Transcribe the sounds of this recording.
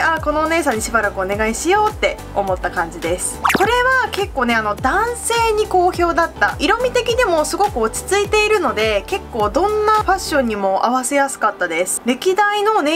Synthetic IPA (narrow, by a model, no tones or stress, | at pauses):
ako̞no̞ːne̞ːsãɲ̟ːiɕibaɾakɯ̟o̞ne̞ɡaiɕijo̞ːt̪ːe̞ | o̞mo̞t̪ːakãɲ̟d͡ʑid̪e̞sɨ̥ko̞ɾe̞βake̞kːo̞ːne̞ano̞d̪ãɰ̃se̞ːɲ̟iko̞ːço̞ːd̪at̪ːa̰ʔiɾo̞mʲit̪e̞kʲid̪emo̞sɨɡo̞kɯ̟ot͡ɕi̥t͡sɨit̪e̞iɾɯ̟no̞d̪e̞ke̞kːo̞ːd̪õ̞nːaɸaɕːõ̞ɲ̟ːimo̞ʔa̰βase̞jasɨ̥kat̪ːad̪e̞sɨ̥ɾe̞kʲid̪aino̞ne